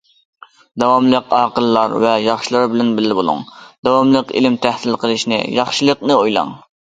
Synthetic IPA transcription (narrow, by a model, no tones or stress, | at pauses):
d̪ɑwɑmlˠəqɑːqəlˠːɑɾvɛjɑχʃilˠɑɾbɪlɛnbɪlːɪbolˠṵŋd̪̥ɑwɑmlˠəqḭlɪmt̪ʰæhsɪlqəlˠɨʃnɪ̰jɑχʃɨlˠəqnɨojlˠɑ̰ŋ